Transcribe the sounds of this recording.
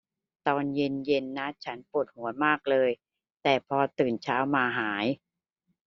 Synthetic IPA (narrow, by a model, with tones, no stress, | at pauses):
t̪ɔː˧nje˧nje˧nːa˦˥t͡ɕʰa˦˥npu˨˩t̪̚hu˩˦əmaː˥˩k̚lɤː˧j | t̪ɛː˨˩pʰɔː˧t̪ɯː˨˩nt͡ɕʰaː˦˥wmaː˧ɦaː˩˦j